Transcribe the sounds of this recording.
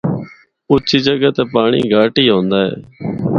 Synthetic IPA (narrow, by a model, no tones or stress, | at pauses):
ʊt͡ʃʰiːd͡ʒəɡət̪eːpaːɳḭːɡaːʈiːɦõːnd̪aːɦḛː